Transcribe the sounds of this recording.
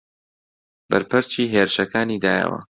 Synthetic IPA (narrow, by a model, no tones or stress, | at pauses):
b̥ɐɾpɨɾt͡ʃiːɦeːɾɨʃɐkaːniːd̪aːjə̰wɐ̰